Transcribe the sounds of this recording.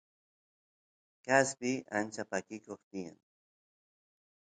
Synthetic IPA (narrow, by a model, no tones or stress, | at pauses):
kaspɪant͡ʃapakɪkoχt̪ɪja̰ŋ